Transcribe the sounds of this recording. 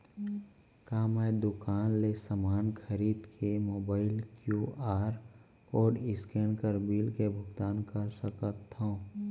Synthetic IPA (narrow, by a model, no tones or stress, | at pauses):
kaːmɛːd̪ʊkaːnlesəmaːnkʰəɾiːd̪kʰemoːbaːɪlkjuːaːɾ | ɔːɖɪskeːnkəɾbiːlkebʱʊɡt̪aːnkəɾsəkət̪ɦõ